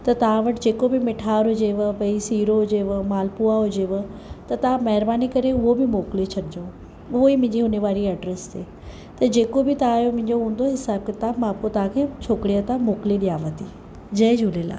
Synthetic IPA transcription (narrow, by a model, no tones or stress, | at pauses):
t̪ɐt̪ɐʋãʋɐʈd͡ʑeːkobɪmɪʈʰaːɾɦʊd͡ʑeʋpɐ̃isiːɾoɦʊd͡ʑeʋəmaːlpuaɦʊd͡ʑeʋt̪ɐt̪ɐʋãmɐɦɪɾbaːnikɐɾeʊɦobɪmoːklit͡ɕʰɐɗɪd͡ʑõː | ʊɦoimʊ̃ɪ̃ɲd͡ʑiɦʊneʋaːɾiɐɖɾest̪ʰeː | t̪ɐd͡ʑeːkobɪt̪ɐãjomʊ̃ɪ̃ɲd͡ʑoɦũːn̆d̪oɦɪsaːb̚kɪt̪amãːpkot̪ɐɦãkʰeːt͡ɕʰoːkɽijat̪ãmoːkliɗijaːʋət̪ʰi | d͡ʑɐ̃d͡ʑʱuːleːla̰ː